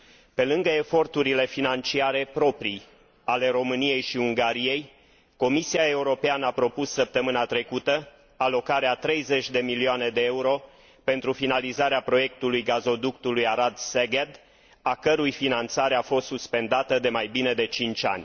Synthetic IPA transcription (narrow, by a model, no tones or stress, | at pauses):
pe̞lɨŋɡəe̞fo̞rt̪uɾile̞finant͡ʃiaɾe̞pɾo̞pɾi | ale̞ɾo̞mɨnije̞jʃiuŋɡaɾije̞j | ko̞misiae̞uɾo̞peanəapɾo̞pussəp̚t̪əmɨnat̪ɾe̞kut̪ə | alo̞kaɾeat̪ɾe̞jze̞t͡ʃʲd̪e̞milioane̞d̪e̞euɾo̞ | pe̞nt̪ɾufinalizaɾeapɾo̞je̞kt̪ulujɡazo̞d̪ukt̪ulujaɾad̪seɡed̪ | akəɾujfinant̪saɾeafo̞st̪suspe̞nd̪at̪əd̪e̞majbine̞d̪e̞t͡ʃint͡ʃʲa̰nʲ